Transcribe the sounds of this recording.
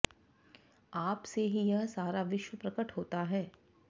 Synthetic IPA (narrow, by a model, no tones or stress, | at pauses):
aːpseɦijɐɦsaːɾaʋɪʃwəpɾɐkəʈɦoːt̪aɦɛː